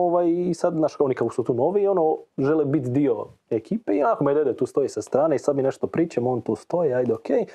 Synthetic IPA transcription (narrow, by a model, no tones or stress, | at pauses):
oʋajːsad̪naːʃo̞nikako̥sut̪uːno̞ːʋio̞noʒelebit̪d̪io̞ | e̞kiːpeionakomed̪ed̪et̪uːst̪o̞jisast̪ɾaːneisad̪mineʃt̪o̞pɾiːt͡ʃamo̞ːnt̪uːst̪o̞jiajd̪eokʰeːj